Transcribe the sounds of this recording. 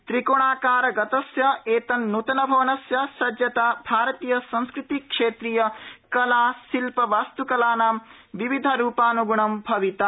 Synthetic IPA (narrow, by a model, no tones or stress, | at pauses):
t̪ɾikoɳaːkaːɾɐɡɐt̪ɐsjɐeːt̪ɐnːut̪ɐnɐbʱɐʋɐnɐsjɐsɐd͡ʒjɐt̪aːbʱaːɾɐt̪iːjɐsɐ̃ñskɾɪt̪ikʂeːt̪ɾijɐkɐlaːsilpɐʋaːst̪ukɐlaːnaːm | ʋiʋid̪ʱɐɾuːpaːnuɡuɳɐmbʱɐʋit̪ɐ